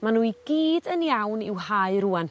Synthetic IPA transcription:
manuːiɡiːdənjawnɪwhaɨɾuan

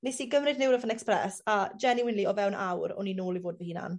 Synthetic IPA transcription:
nesiɡəmrɪdnɪwɾəvənɛksprɛsad͡ʒɛniwɪnlˠiɔvɛwnawɾɔ̰ninoːlˠivoːdvɛhiːna̰n

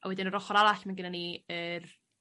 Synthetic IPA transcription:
ʔa̰wɛdɪnəɾɔχɔɾaɾaɬmanɡənaniər

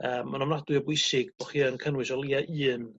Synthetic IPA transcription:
əːmːanɔmnadwʊɨɔbwɪsɪɡb̥ɔχiːənkʰənwɪʃɔlˠiaʔɨːn

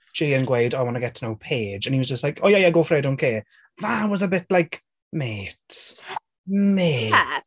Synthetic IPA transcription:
d͡ʒ̥iːə̃nɡwejdawɔnəɡɛtʰnowpʰeːd͡ʒə̃niwɔzd͡ʒəstlajkʰɔjajaɡoːfreːdʊnkʰeː | ðawɔzəbɪtlajk | meːt | meː

